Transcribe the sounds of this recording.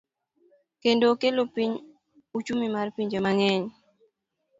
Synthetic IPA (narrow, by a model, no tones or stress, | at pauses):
kendokelopiɲ | ut͡ʃumimarpiɲd͡ʒemaŋɛɲ